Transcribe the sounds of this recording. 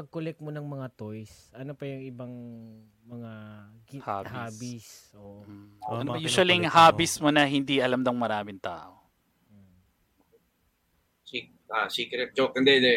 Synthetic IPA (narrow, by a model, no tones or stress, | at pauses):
pɐɡ̚kʊlɛk̚monɐŋmɐŋat̪ojsʔɐnopɐjʊŋɪbaŋ | mɐŋa | ha̰ːbhaːbisoʔ̩ɐnobɐjuːsɐliŋhaːbɪsmonɐhɪnd̪iʔɐlamd̪ɐŋmɐɾaːmɪŋt̪a̰ːʔo | sik̚ | asikɾɛp̚d͡ʒokɐnd̪ɛd̪ɛ